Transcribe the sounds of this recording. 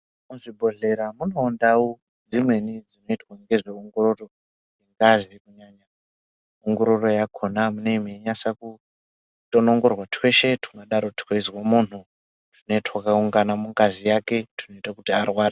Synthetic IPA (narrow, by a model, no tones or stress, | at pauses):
muʐibʱo̞ɮe̞ɾamunoːndawu | d͡zimwe̞nid͡zino̞itwaŋɡe̞ʐeoŋɡoro̞ro | ŋɡeŋɡazikuɲaːɲa | oŋɡo̞ɾo̞ro̞jakʰo̞namuneimeɲasaku | tonoŋɡo̞rwatʰwe̞ʃe̞tʰu̥ŋɡaɗaɾo̞tikeizwamun̤u | tino̞itwakauŋɡanamuŋɡazijake̞tʰino̞itakutiarwaːɾa